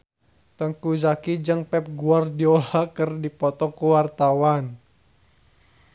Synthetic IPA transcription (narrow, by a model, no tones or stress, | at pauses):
t̪əŋkuzakid͡ʒəŋpɛp̚ɡuardiɔlakərdipɔt̪ɔkuwart̪awan